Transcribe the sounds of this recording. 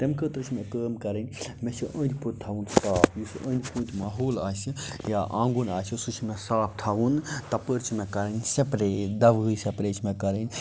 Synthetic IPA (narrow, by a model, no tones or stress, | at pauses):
t̪emkʰəːt̪ɾɨt͡ʃʰimẽkəːmkɐɾɐnʲmesiʔə̃ːnʲd̪ʲput̪̚ʲt̪ʰaʋunst̪aːpʰjusʲiə̃ːnʲd̪ʲpuːnt̪ʲmaːɦoːlaːsijaʔaːŋɡunaːsʲisut͡ʃʰimesaːpʰt̪ʰaːʋunt̪ɐpəɾt͡ʃʰimekɐɾənʲsepɾeːd̪ɐʋɨjsepɾeːt͡ʃʰmẽkɐɾənʲ